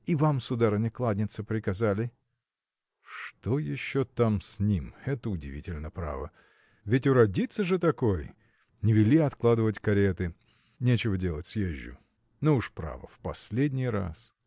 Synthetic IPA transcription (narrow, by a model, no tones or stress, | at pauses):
ivamsʊd̪aɾənʲɪklˠad̪ʲnʲɪt̪səpɾʲɪkɐzalʲɪ | ʂt̪ojɪɕːot̪amsʲnʲimɛt̪əʊdʲɪ̰vʲitʲɪlʲnəpɾa̰və̰ | vʲɪtʲʊɾɐdʲit̪səʐɨt̪ɐkoj | nʲɪvʲɪlʲiɐt̪klˠad̪ɨvətʲkɐɾʲet̪ɨ | nʲet͡ɕɪvədʲelˠətʲsjeʑʲːʊ̰ | nouʂpɾa̰və̰fpɐsʲlʲedʲnʲɪjɾa̰s